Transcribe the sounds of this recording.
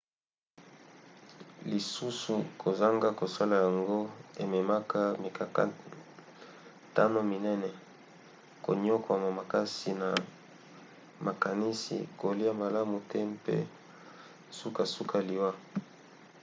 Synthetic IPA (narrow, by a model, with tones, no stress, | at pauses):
li˨su˦su˨kʰo˨za˦ŋɡa˦ko˨sa˦la˨ja˨ŋɡo˦e˨me˨ma˦ka˦mi˨ka˨ka̰˦ | ta˦no˦mi˨nɛ˦nɛ˨ | ko̰˨ɲo˦kwa˨ma˨ma˨ka˦si˨na˨ | ma˨ka˨ni˦sḭ˨ko˨li˦a˦ma˨la˦mu˨tɛ˦mpḛ˦ | su˦ka˨su˦kʰa˨li˨wa˦